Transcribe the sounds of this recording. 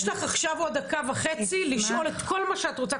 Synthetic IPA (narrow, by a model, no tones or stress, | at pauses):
ʃlaχaχʃavo̞d̪akavaχe̞t͡siliʃʔo̞le̞t̪ko̞lmaʃeat̪ʁot͡sa